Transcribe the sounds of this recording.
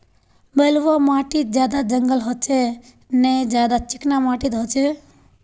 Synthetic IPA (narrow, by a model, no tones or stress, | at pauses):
bəlʋomaʈit̪̚d͡ʒjad̪ad͡ʒəŋɡəlɦɔt͡ʃʰe | ned͡ʒjad̪at͡ʃɪknamaʈit̪ɦɔt͡ʃʰe